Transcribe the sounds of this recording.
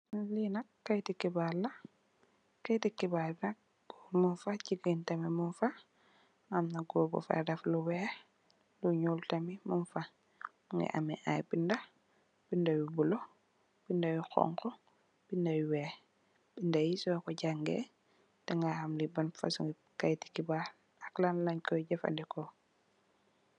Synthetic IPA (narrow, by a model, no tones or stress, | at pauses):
linakːajtikibalːa | kajtikibalnak̚ | munfaciɡintamimunfa | amnaɡɔːbɔ̰fa̰dafluwɛ | luɲultamimunfa | muŋɡɛ̰ʔa̰mɛ̰ʔa̰jbinda | b̥indawibulɔ | b̥indajixɔ̰ŋkɔ | b̥indawiwɛ | b̥indajisɔjkɔɟaŋɡɛ̰ | tɛŋɡahamlibanfa̰suŋɡi | kajti̥kibaɾ | aklanlaɲkɔjɟafa̰ndɛkɔ